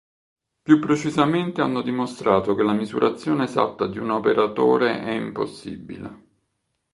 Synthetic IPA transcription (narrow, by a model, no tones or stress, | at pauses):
pjupːɾet͡ʃizament̪ea̰nːod̪imost̪ɾaːt̪ok̟elamizṵɾʔat̪sːjoːneːza̰t̪ːad̪iunopeɾat̪oːɾeʔɛimpo̰sːḭbḭlḛ